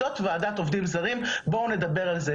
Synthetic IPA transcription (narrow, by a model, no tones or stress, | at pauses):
ot̪vead̪at̪o̞vd̪imzaʁimbo̞une̞d̪abe̞ʁalze